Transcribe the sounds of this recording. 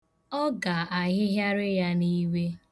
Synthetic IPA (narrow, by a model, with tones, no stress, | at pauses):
ɔ˦ɡa˨a˨ɦɪ˦ɦja˦ɾɪ˦ja˦ni˦we˦